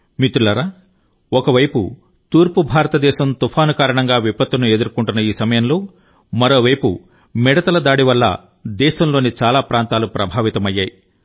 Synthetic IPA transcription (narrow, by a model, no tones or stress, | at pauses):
mit̪ulɐɾaː | ɔkɐʋɐjpṵ | t̪uːɾpubʱaːɾɐt̪ɐd̪ɛːʃɐmt̪upʰaːnukaːɾɐɳɐŋɡaːʋipɐt̪ːunue̞d̪uɾkuɳʈunːɐiːsɐmɐjɐmlo̞ː | mɐɾo̞ːʋɐjpṵ | mɛɽɐt̪ɐlɐd̪aːɽiʋɐlːɐ̰ | d̪ɛːʃɐmlo̞ːnit͡ʃaːlaːpɾaːnt̪aːlupɾɐbʱaːʋit̪ɐmɐjːaːji